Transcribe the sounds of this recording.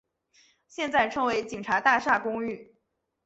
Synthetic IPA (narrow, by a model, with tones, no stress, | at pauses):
ɕjɛ˥˧nt͡sa˥˩ɪʈ͡ʂʰɤ˧˥ŋwe˧˥ɪt͡ɕi˨˩ŋʈ͡ʂʰa˧˥t̪a˥˧ʂa˥˩kʊ˥ŋy˥˩